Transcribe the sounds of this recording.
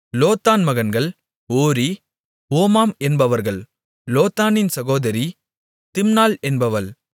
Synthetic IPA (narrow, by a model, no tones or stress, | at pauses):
loːt̪ːaːnmɐɣɐnɡɐɭ | oːɾi | oːmaːmɛnbɐʋɐɾɣɐɭ | loːt̪ːaːnɪnsɐɣoːðɐɾi | t̪ɪmnaːlɛnbɐʋɐɭ